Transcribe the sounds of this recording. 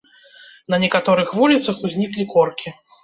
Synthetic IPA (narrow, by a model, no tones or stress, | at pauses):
nɐnʲɛkat̪ɔɾɨxvulʲit̪sɐxuzʲnʲiklʲikɔrkʲi